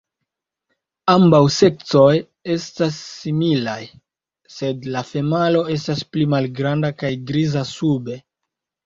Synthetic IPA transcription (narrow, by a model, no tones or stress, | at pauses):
ambawse̞k̚t͡so̞j | e̞stasːimilaj | se̞dlafe̞malo̞e̞stasplimalɡɾandakajɡɾizasube̞